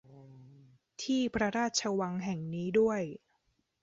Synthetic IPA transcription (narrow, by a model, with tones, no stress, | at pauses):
t̪ʰiː˥˩pʰɾa˧ɾaː˥˩t̪̚t͡ɕʰa˧wa˧ŋɦɛ˨˩ŋniː˦˥du˥˩əj